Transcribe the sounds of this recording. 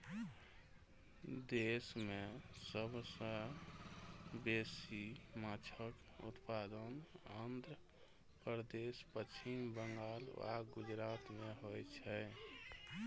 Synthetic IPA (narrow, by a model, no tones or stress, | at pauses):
d̪esmesəbʱsə̃ | besimat͡ʃʰək | ṵt̪pad̪ənənd̪ɾə | pəɾd̪espət͡ʃʰimbəŋɡala̰ɡud͡ʒɾat̪meɦojt͡ʃʰɛ